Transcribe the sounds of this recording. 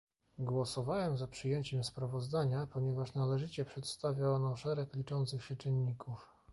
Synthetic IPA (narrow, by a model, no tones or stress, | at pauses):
ɡwɔsɔvawɛmzapʂɘjeɲt͡ɕɛmspɾavɔzd̪aɲapɔɲɛvaʂnalɛʐɘt͡ɕɛpʂɛt̪st̪avʲjaɔnɔʂɛɾɛklʲit͡ʂɔnt̪sɘxɕɛt͡ʂɘnːikuf